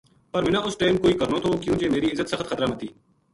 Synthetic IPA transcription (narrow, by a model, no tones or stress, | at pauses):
pəɾmɪnãːʊsʈeːmkoːiːkəɾnoːt̪ʰoːkjũːkeːmeːɾiːɪzət̪səxt̪xət̪ɾaːmət̪iː